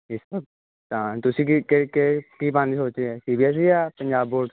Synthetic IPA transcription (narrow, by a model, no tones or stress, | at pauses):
ɪsə | t̪ãːt̪ʊsĩːkikekekiːpãːniːsoːt͡ʃeɛsiːbiɛs̬iːaːpəɲd͡ʒaːbːoːɖ